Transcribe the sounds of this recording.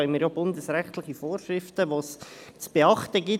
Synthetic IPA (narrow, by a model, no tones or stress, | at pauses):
œənmiːɾjobʊndəsɾɛχtlɪχifoːrʃɾɪftəʋoːst͡sb̥eɑχt̪əɡi